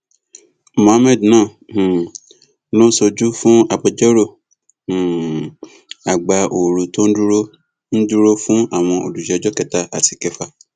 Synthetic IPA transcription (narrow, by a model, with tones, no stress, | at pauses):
mõ˨a˦mɛ̃˦˨dnãː˦˨ | nõ˦so˧d͡ʒu˦fũ˦a˧bɔ˧d͡ʒɔ˦ɾõ˦˨ | a˨ɡ͡ba˨ʔo˨ɾo˨to˦n̩˦du˦ɾo˦ | n̩˦du˦ɾo˦fũ˦a˦˨w̃ɔ̃˧o̰˨du˨d͡ʒɛ˨˦d͡ʒɔ˦kɛ˦˨ta˧a˨ti̥˨kɛ˨˧fa˧